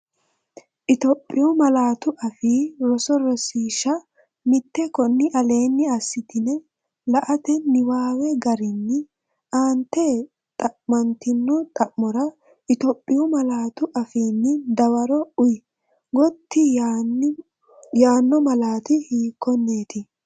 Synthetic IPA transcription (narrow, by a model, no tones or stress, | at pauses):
ʔɪt̪ɔpʼːɪjɔmɐlaːt̪ʊʔɐfiːɾɔsɔɾɔsiːʃɐ | mɪt̪ːɛkɔnːɪʔɐle̞ːnːɪɐsːɪt̪ɪnɛ | lɐʔɐt̪ɛnɪwaːwɛɡɐɾɪnːɪ | ʔaːnt̪ːe | t̪ʼɐʔmɐnt̪ɪnːɔt̪ʼɐʔmɔɾɐ | ʔɪt̪ɔpʼːɪjɔmɐlaːt̪ʊʔɐfiːnːɪd̪ɐwɐɾɔʊj | ɡɔt̪ːɪ | jaːnːɔmɐlaːt̪ɪhiːkːɔnːeːt̪ɪ